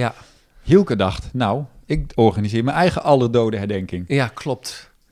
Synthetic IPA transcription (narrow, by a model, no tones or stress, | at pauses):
ja | hilˠkədɑχtnawɪkɔɹχanizɪːɹmɛnɛjχəʔɑlˠərdowdəɦɛɹdɛŋkɪŋjakʰlɔp̚t